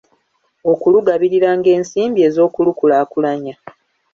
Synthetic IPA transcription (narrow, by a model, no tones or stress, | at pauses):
o̞kuluɡaβiɾiɾaːŋɡe̞ːnsiːmbie̞ːzo̞ːkulukulaːkulaɲa